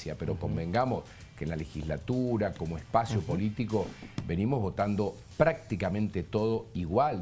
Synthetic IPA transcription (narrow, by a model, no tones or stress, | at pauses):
japeɾo̞ko̞mbẽ̞ŋɡamo̞s | kenlalexizlat̪uɾako̞moespasjopo̞lit̪ikoβe̞nimozβo̞t̪and̪o | pɾak̚t̪ikamẽ̞nt̪et̪oð̞o̞iɣwal